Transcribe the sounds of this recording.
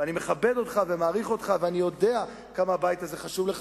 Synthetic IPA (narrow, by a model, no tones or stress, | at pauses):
anime̞χabe̞do̞t̪χave̞maːʁiχo̞t̪χaveanijo̞de̞a | kamaːbajtazeχaʃuvle